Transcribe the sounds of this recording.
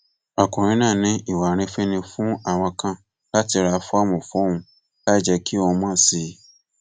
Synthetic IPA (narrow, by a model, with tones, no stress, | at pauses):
a˨kũ˨ɾ̃ĩ˦nãː˦˨nĩ˧˦i˦˨wa˨ɾ̃ĩ˧˦fẽ˦nĩ˧fũ˦a˦˨w̃ã˧kã˦˨ | la˦ti˧ɾa˧fɔ˦a˦˨mɔ̃˨fɔ˨˦hũ˧ | la˦˨d͡ʒɛ˧ki˦o˧mã˦˨si˧